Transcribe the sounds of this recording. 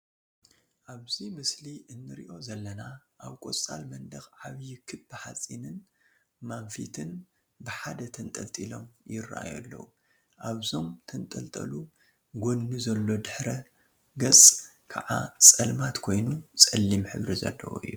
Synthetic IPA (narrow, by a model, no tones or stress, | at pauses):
ʔaβzimɨsliʔɨnːɨɾḭʔo̞zɐlːɐnaʔaβkʼo̰t͡sʼa̰lmɐnd̪ɐxʕaβjɪkʰɨbbɨħat͡sʼinɨn | manfḭt̪ʰɨn | bɨħad̪ɐt̪ʰɐnt̪ʼɐlt̪ʼilo̞̰mjɪra̰ʔa̰jalːɐ̰wu | ʔaβzo̞mt̪ʰɐnt̪ʼɐlt̪ʼɐ̰lu | ɡo̞nːuzɐlːo̞d̪ɨħɾɐ | ɡɐt͡sʼ | kʰa̰ʕa̰t͡sʼɐlmat̪kʰo̞jnut͡sʼɐlːimħɨβɾizɐ̰lːɐ̰wo̰ɨ̰jːu